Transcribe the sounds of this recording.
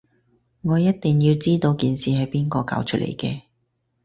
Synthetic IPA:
ŋɔː˨˧jɐ˥t̚t̪ɪ˨ŋjiː˧wt͡siː˥t̪o˧wkiː˨nsiː˨ɦɐ˨˥jpiː˥nkɔː˧ka̰ː˨˧˥wt͡ʃʰɵ˥lʔḛ˨˩jkɛː˧

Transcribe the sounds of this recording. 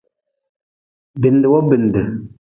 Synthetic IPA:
bi˨n˦de˨wɔ˦bi˨n˨de˨

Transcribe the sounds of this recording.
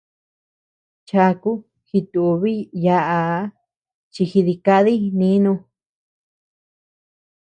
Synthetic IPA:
t͡ʃa˧ku˦ | xi˧t̪u˧βi˦ja˧ʔa˧˦ | t͡ʃi˧xi˧ði˧ka˧ði˦nĩ˦nũ˧

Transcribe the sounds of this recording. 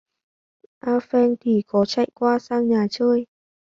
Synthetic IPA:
ʔaː˧fɛ˧nt̪ʰi˨˩kɔ˨˦t͡ɕa̰˧˨jkwaː˧saː˧ŋɲaː˨˩t͡ɕəː˧j

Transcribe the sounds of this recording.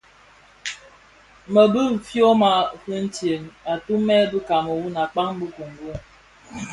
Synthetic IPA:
mə˨bɨ˦˨fjo˦ma˨hɨ˦n̩˦tje˨ŋa˨tu˦mɛ˦bɨ˦ka˨mə˨wu˦na˨k͡pa˦ŋ˦bu˦ku˨ŋ˨ɡə˦

